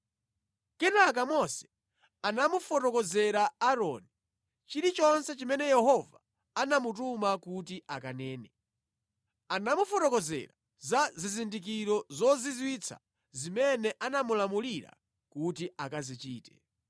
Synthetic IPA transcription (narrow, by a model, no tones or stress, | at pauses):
kɛnak̬amɔsɛ̥ | anamufɔtɔkɔzɛɾaaɾɔ̰ni | t͡ʃiɾit͡ʃɔnsɛt͡ʃimɛnɛjɛɦɔva | anamut̬umakut̬iʔakanɛːnɛ | anamufɔtɔkɔzɛ̰ɾa | zazizindik̬iɾɔzɔzizwit͡sʰa̰ | zimɛnɛʔanamulamuliɾa̰ | kutiakazit͡ʃiːtɛ̥̰